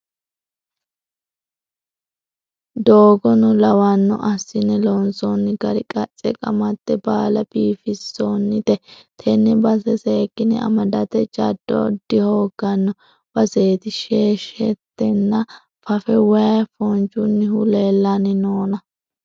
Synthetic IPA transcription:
d̪oːɡɔnɔlɐwɐnːɔ̰ʔɐsːɪnɛlɔnsɔnːɪɡɐɾɪkʼɐt͡sʼːɛkʼɐmɐt̪ːɛbaːlɐb̥iːfɪsːonːɪt̪ɛt̪ʰɛnːɛbɐsɛseːkːɪnɪ̰ɐ̰mɐd̪ɐt̪ɛd͡ʒɐ̰d̪̥ːɔ̰d̪ɪhoːɡ̥ɐnːɔ | b̥ɐseːt̪ɪʃeːʃɛt̪ːɛnːɐ | fɐfɛwɐjɐfɔnt͡ʃʊnːɪhʊleːlːanɪnoːnɐ

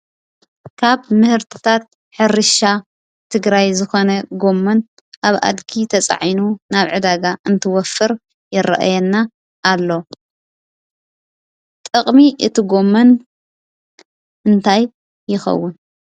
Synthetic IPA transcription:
kʰaβmɨhɨɾt̪ʰɨ̥t̪ʰat̪̚ | ħɨɾɨʃa | t̪ʰɨɡɾajzɨxo̞nɐɡo̞mːɐn | ʔaβa̰d̪ɡit̪ʰɐt͡sʼa̰ʕinunaβʕɨd̪aɡaʔɨnt̪ʰɨwɔfːɨɾ | jɪɾɐ̰ʔa̰jɛnːa | ʔːlːo̞ | t̪ʼɨqʼmiʔɨt̪ʰɨɡo̞mːɐn | ʔɨnt̪ʰajː | ɪxɐ̰wːʊn

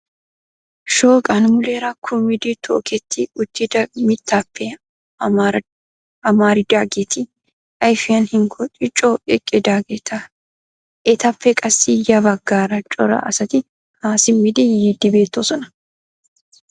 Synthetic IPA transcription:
ʃoːkʼɐnmʊleːɾɐkʰʊmɪd̪ɪt̪ʰo̰ːkɛt̪ːɪʊt̪ːɪd̪ɐmɪt̪ːɐpːɛ | ɐmaːɾɪd̪aːɡɛt̪ʰɪ | ʔɐjfɪjɐnhɪŋkʰɔt͡ʃʼɪt͡ʃʼːoɛkʼːɛd̪aɡɛt̪ʰɐ | ʔɛt̪ɐfːɛkʼɐsːɪjɐbɐɡːaːɾɐt͡ʃʼɔɾɐ̰ʔɐsɐt̪ɪ | haːsɪmːɪd̪ɪjid̪ːɪbe̞ːt̪ːosɔnɐ̥

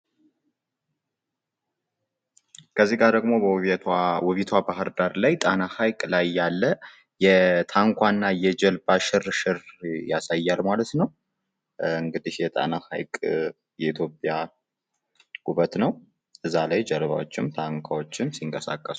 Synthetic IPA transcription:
kʰəzːiɡaɾd̪əɡmo̞b | wɔβit̪ʰwabaɦɨɾd̪aɾlajt̪ʼanahajkʼlajːalːə | jɛt̪ʰaŋkʷʰanːajɛd͡ʒɛlbaʃɨrʃɨrjasajːalmalət̪nəw | ɨŋɡɨd̪ihjɛt̪ʼa̰naha̰jkʼ | jɛit̪ʰjo̞pʼja | ɡuβət̪nəw | ʔɨzːalajd͡ʒɛɾβa̰wot͡ʃːɪmt̪ʰaŋkʷʰawot͡ʃːɪmsiŋkʼəsa̰kʼːəs

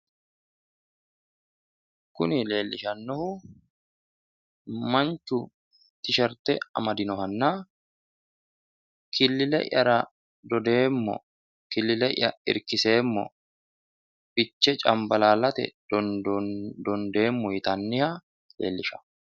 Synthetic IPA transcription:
kʊnɪle̞ːlːɪʃɐnːɔhʊ | mɐnt͡ʃʊ | t̪ɪʃɐɾt̪ɛɐ̰mɐd̪ɪnɔhɐnːaː | kʰɪlːɪlɛ̰ʔɐ̰ɾɐ | d̪ɔd̪e̞ːmːɔ̰ | kɪlːɪlɛʔːɐɪ̰ɾkɪse̞ːmːɔ̰ | b̥ɪt͡ʃːɛt͡ʃʼɐmbɐlaːlɐt̪ɛ̰d̪ɔdd̪ɔnd̪e̞ːmːɔhɪt̪ɐnːɪhɐ | le̞̰ːlːɪʃɐ̥

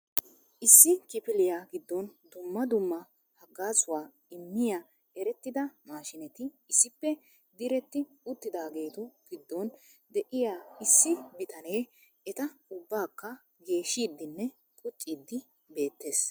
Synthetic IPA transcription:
ʔɪsːɪkɪpɪlɪjaːɡɪd̪ːɔnd̪ʊmːɐd̪ʊmːɐ | hɐɡaːsʊwaː | ɪmːɪja | ɛɾɛt̪ːɪd̪ɐmaːʃɪnɛt̪ɪ | ɪsːɪpːɛ | d̪ɪɾɛt̪ːɪ | ʊt̪ːɪd̪aːɡe̞ːt̪ɔɡ̥ɪd̪ːɔn | d̪ɛʔɪjaːɪsːɪbɪt̪ɐneː | ɛt̪ɐʊbːaːkːɐ | ɡe̞ːʃːiːd̪ːɪnːɛ | kʼʊt͡ʃʼːiːd̪ːɪ | be̞ːt̪ːe̞ːs

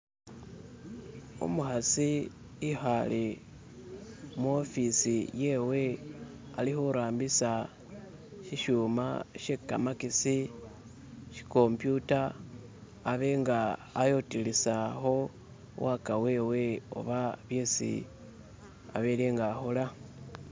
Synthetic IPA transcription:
ṵmuxasi | ixale | mwo̞fisije̞we̞ | alixuɾaːmbisa | ʃiʃuːma̰ʃeka̰makisi | ʃi̥ko̞mpjutaː | βeŋɡaːjotilisaxo̞ | wakawe̞ːweo̰βaβjesḭ | a̰βeleːŋɡaxola

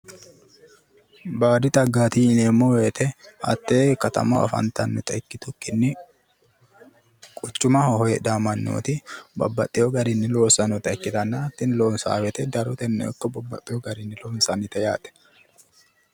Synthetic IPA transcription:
baːɾɪt̪ʼɐɡːaːt̪iɪnemːoweːt̪ɛɐ̰t̪ːeːkɐt̪ɐ̰mɐɐ̰fɐ̰nt̪ɐnːɪt̪ʼɐɪkːɪt̪ʊkːɪnːɪ | kʼʊt͡ʃːʊmɐɔhɔjɛd̪amɐnːo̰ːt̪ɪbɐ̰bːɐ̰t̪ʼːɪjɔɡɐɾɪnːɪloːsɐnɔt̪ɐɪkːɪt̪ɐnːat̪ːɪnloːnsa̰ːwɛt̪ɛd̪ɐɾɔt̪ɛnːɛ̰ɔ̰kːɐbɐbːɐ̰t̪ʼːɪjɔɡɐɾɪnːɪloːnsɐnɪt̪ɐja̰ːt̪ʼɛ̥

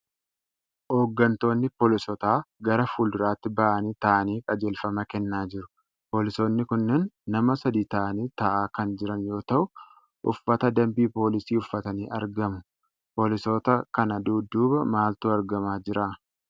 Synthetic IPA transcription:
ʔo̞ːɡːɐnt̪o̞ːnːɪpoːlɪsɔt̪aːɡɐɾɐfuːld̪ʊɾaːt̪ːɪbɐʔɐniːt̪ɐʔɐniːkʼɐd͡ʒeːlfɐmɐkɛnːaːd͡ʒɪɾʊ | poːlɪso̞ːnːɪkʊnːɛnːɐmɐsɐd̪iːt̪ɐʔɐniːt̪ɐʔaːkɐnd͡ʒɪɾɐnjo̞ːt̪ɐʔʊ | ʔʊ̰fːɐt̪ɐd̪ɐmbiːpo̞ːlɪsiːʊfːɐt̪ɐniːʔɐ̰ɾɡɐmʊ | po̞ːlɪso̞ːt̪ɐkɐnɐd̪uːd̪uːbɐmaːlt̪uːɐɾɡɐmaːd͡ʒɪɾʔaː

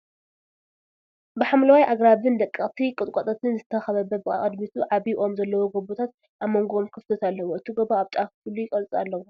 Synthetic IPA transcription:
bɨħamlɐwajʔaɡɾaβɨnd̪ɐkʼːɐt̪ʰikʼɨt̪ʼkʼɐt̪ʼɐt̪ʰɨnzɨt̪ʰɐxɐβɐbɐbɨakʼɐd̪mit̪ʰuʕaβiʔo̞mzɐlːɐwoɡobot̪ʰat̪̚ | ʔamːoŋɡoomkʰɨfɨt̪ʰɐt̪ʰalːɐwoɨt̪ʰiɡoboaβt̪ʼakfɨlujɪkʼɐlt͡sʼa̰lːɐwo

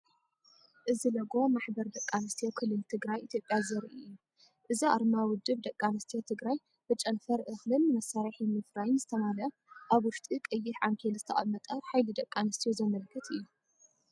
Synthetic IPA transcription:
ʔɨzilɐɡo̞maħbɐɾd̪ɐkʼːanɨst̪ʰijokʰɨlːɨlt̪ʰɨɡɾajit̪ʰjopʼːjazɐɾʔijːu | ʔɨzia̰ɾmawʊd̪ːɨβd̪ɐkʼːanɨst̪ʰijot̪ʰɨɡɾaj | b̥ɨt͡ʃʼɐnfɐɾʔɨxlɨnːɨmɐsːaɾiħimɨfɾajnzɨt̪ʰɐmalɐ | ʔaβwʊʃt̪ʼikʼɐjːɪħʕaŋkʰelzɨ̥t̪ʰɐʔʼɐ̰mɐt̪ʼɐħajlid̪ɐkʼːanɐst̪ʰijozɐmɐlkʰːɐt̪ʰɨjːu

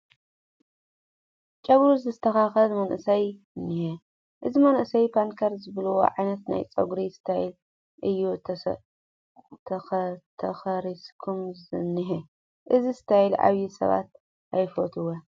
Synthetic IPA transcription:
t͡ʃʼɐβɾuzɨst̪ʰɐxaxɐlmɐnʔɨsɐj | ɨnːihe | ʔɨzimɐnʔɨsɐjpʰankʰɐɾzɨβɐlwo̰ʕajnɐt̪na̰jt͡sʼɐ̰ɡɾisɨ̥t̪ʰajil | ʔɨjːu | t̪ʰɐt̪ʰɐxɐɾiskʰumzɨnːiħe | ʔɨzisɨ̥t̪ʰajlʔa̰βjisɐ̰βa̰t̪̚ | ajfot̪ʰɨwo

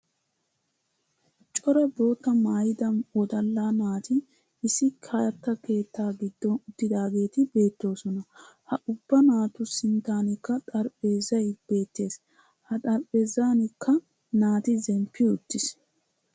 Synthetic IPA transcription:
t͡ʃʼɔɾɐbo̞ːt̪ːɐmaːjɪd̪ɐnɔd̪ɐlːaːnaːt̪ɪː | sɪkʰɐjɐt̪ːɐke̞ːt̪ːaːɡɪd̪ːɔnʊt̪ːɪd̪aːɡe̞ːt̪ɪbe̞ːt̪ːo̞ːsɔnɐhɐʔʊbːɐnaːt̪ʊsɪnt̪aːnɪkːɐt̪ʼɐɾpʼe̞ːzɐjb̥e̞ːt̪ːe̞ːs | hɐt̪ʼɐɾpʼe̞ːzaːnɪkʰːɐ | naːt̪ɪzɛmpːɪʊt̪ːɪs

